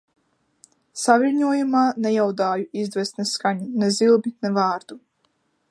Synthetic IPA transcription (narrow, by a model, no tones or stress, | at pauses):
saviɾʲɲuɔjumaːnɛjawd̪aːjuizd̪vɛsnɛsːkaɲunɛzilˠbinɛvaːɾd̪̥u